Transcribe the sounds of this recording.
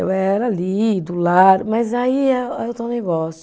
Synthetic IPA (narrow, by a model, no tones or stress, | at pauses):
ḛwɛɾalid̪ulaɾmɐzaiɛewt̪ẽneɡɔsj